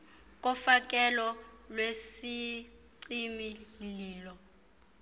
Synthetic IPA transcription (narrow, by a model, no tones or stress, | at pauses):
k̬ʼɔfak̬ʼɛlɔlwesiǀimiliːlɔ